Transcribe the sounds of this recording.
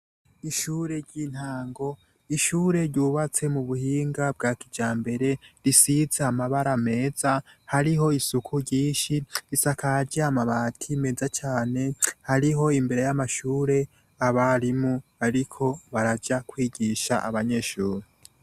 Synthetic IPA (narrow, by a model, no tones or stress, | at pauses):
iʃuːɾe̞ɾɟiːn̥haːŋɡo̞ | iʃuːɾe̞ɾɟuːβat͡se̞muβuhiːŋɡab̚ɡaːkid͡ʒaːmbe̞ɾe̞ɾisizeamaβaɾame̞ːzahaɾiɦo̞isukʰuɾɟiːnʃiɾisakaɾɟeamaβatʰime̞zat͡ʃaːne̞haɾiɦo̞imbe̞ɾe̞jamaʃuːɾe̞ | aβaɾimuaɾikʰo̞βaɾad͡ʒakwiːɟiʃa̰ʔa̰βaɲe̞ʃuːɾi